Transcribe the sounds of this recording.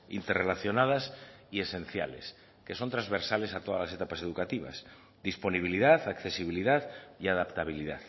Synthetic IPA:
ḭnt̪erelaθjo̞nað̞asie̞sẽ̞n̟θja̰le̞̰s | ke̞so̞nt̪ɾazβe̞ɾsale̞sat̪o̞ða̰lase̞t̪apase̞ð̞ukat̪iβ̞a̰s | d̪ispo̞niβ̞iliðaðakθe̞siβ̞iliðaðiaðapt̪aβ̞iliða̰ð

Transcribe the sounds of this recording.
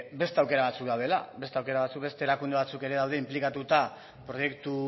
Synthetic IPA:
be̞st̪e̞awke̞ɾaβat͡sukd̪awðe̞la̰be̞st̪e̞awke̞ɾaβat͡suk̚be̞st̪e̞ːɾakund̪e̞βat͡suke̞ɾe̞ðawðe̞implikat̪ut̪a | pɾo̞je̞kt̪u

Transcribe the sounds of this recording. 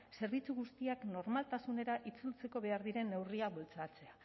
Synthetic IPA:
se̞ɾβit͡suɣust̪iakno̞ɾmalt̪asune̞ɾaʔit͡sult͡se̞ko̞βe̞aɾðiɾe̞nːe̞wriaβolt͡sat͡se̞a

